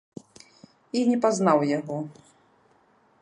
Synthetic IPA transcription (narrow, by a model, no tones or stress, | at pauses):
inʲɛpaznawjaɣɔ